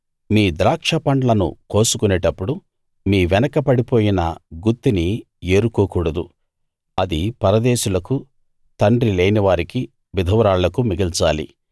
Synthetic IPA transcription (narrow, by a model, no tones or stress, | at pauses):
miːd̪ɾaːkʂɐpɐɳɖlɐnṵko̞ːsukuneːʈɐpːuɽu | miːʋɛnɐkɐpɐɽipo̞ːjinɐɡut̪ːini | e̞ːɾukoːkuːɽɐd̪u | ɐd̪ipɐɾɐd̪eːʃulɐku | t̪ɐɳɖɾileːniʋaːɾiki | ʋid̪ʱɐʋɾaːɭːɐkumiɡilt͡ʃaːlḭ